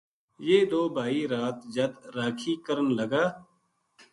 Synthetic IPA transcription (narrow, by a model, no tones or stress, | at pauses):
jeːd̪oːbʱaːiːɾaːt̪d͡ʒəd̪ɾaːkʰiːkəɾənləɡaː